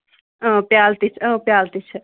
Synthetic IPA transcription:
ə̃pjaːlt̪it͡ʃʰə̃pjaːlt̪it͡ʃʰ

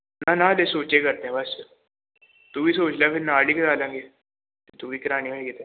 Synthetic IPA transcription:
nanad̪esoːt͡ʃekɐɾt̪eɦɛ̃bɐs | t̪ubʱisoːt͡ʃlapɪɾnaːɽikɐdaːlə̃ŋɡe | t̪et̪ubʱikɐɾaːniɦoiet̪ʰe

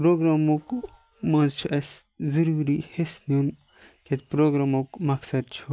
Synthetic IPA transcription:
pɾoːɡɾamok | mɐ̃nzt͡ʃʰuʔɐszɐɾuːɾihesnun | kʰet̪pɾoːɡɾamokmɐksɐd̪̚t͡ʃʰu

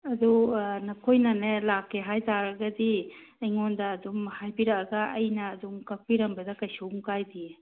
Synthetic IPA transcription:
ɐdunɐkʰojnanelakːeɦajtaɾɐɡɐdi | ijŋondaːdumhajbiɾakaɡaɐjnaːdumkak̚piɾɐmbɐdakɐjsomkajdie

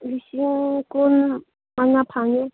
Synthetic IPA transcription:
lisiŋkun | maŋapʰãŋɡe

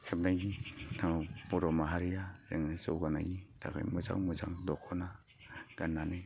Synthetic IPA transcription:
sʰeb̚najɡitʰaŋbɔɾɔmaɦaɾijazeŋɯsowɡana̰jɡitʰa̰kʰɯ̰jmɯza̰ŋmɯza̰ŋdɔkʰɔna | ɡ̥anːane

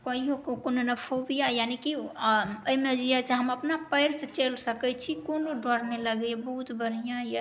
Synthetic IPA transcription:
kɔijokokononəpʰobijajaniki | əimed͡ʒiasẽɦəməpnapəjɾsə̃t͡ʃelsəkɛt͡ʃʰikonoɖʱəɾneləɡbəɦut̪bʱəɾ̤ijãje

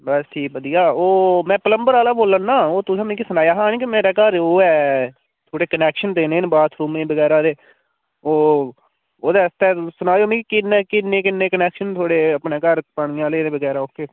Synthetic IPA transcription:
bəsʈʰiːʋəd̪ijaːoːmɛ̃ːpələmbəɾaːlaːboːlːənːaːoːt̪ʊsãːmẽːkisənaːjaːɦãːnikimeːɾɛːkəɾoːɛː | t̪ʰoːɽeːkənɛːkʃənd̪eːnẽːnbaːt̪ʰɾuːmẽːbəɡɛːɾaːd̪eː | oː | oːd̪eːst̪ɛːsʊnaːoːmĩːkikɪneːkɪnːẽːkɪnːẽːkənɛːkʃənt̪ʰoːɽeːəpɳeːkəɾpəɳ̃ɪːãːleːnẽːbəɡɛːɾaːokːeː

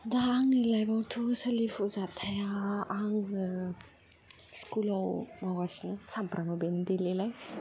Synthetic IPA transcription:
d̪aːŋnilajbawt̪ʰusəlifuzat̪ʰajaaŋ | skulawmawasnɯsampɾamabend̪elelaj

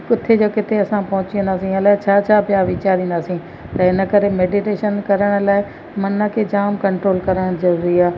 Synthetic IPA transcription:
kʊt̪ʰːed͡ʑoːkɪt̪ʰeɐsãpɐɦʊ̃t͡ɕiə̃nd̪aːsĩɐlaːɪt͡ɕʰaːt͡ɕʰaːpjaːʋɪt͡ɕaːɾĩːnd̪aːsĩ | t̪ɐɪnə̆kɐɾemeːɖiʈeːʃənkɐɾəɽ̃̆laːɪ | mɐnəkʰed͡ʑaːmkɐ̃ɳʈɾoːlkɐɾəɽ̃zɐɾuːɾiaː

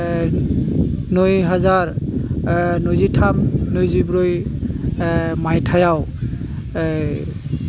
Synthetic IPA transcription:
nojɦazaɹ | nojzitʰamnojzibɹoj | majtʰajaw

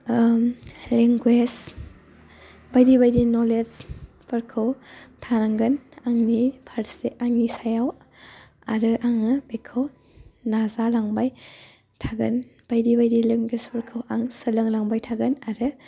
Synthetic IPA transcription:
leŋɡwes | bajɾibajdinoled͡ʒ | pʰɐɾkʰɐwtʰanaŋɡɐnaŋnipʰaɾseʔaŋnisajaw | a̰ɾɯʔaŋɯbekʰɐw | nazalaŋbaj | tʰaɡɐnb̥ajdibajdileŋɡwespʰɐɾkʰɐwaŋsɐlɯŋlaŋbajtʰaɡɯnaɾɯ

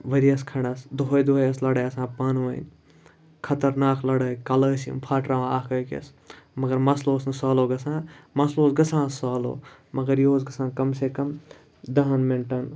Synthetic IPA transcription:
ʋɐɾijɐskʰɐɽɐsd̪oɦojd̪ojɐslɐɽɐːjɐsãːpaːnuʋɐn | kʰɐt̪ɐɾnaːklɐɽəːkɐləːsḭmpʰaːʈɾaːʋãːaːkəːkḛs | mɐɡɐɾmɐsloːsnɨsaːloːɡɐsãːmɐsloːsɡɐsʰãːsːaːlo̰ː | mɐɡɐɾjoːzɡɐsãːkɐmsekɐm | d̪ɐɦɐnmeɳʈɐn

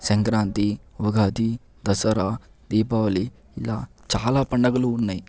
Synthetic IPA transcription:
sɐŋkɾaːnt̪iʋuɡʱaːt̪i | d̪ɐsɐɾa | d̪iːpaːʋɐli | ilːaːt͡ʃaːlaːpɐɳːɐɡɐluːnːaːji

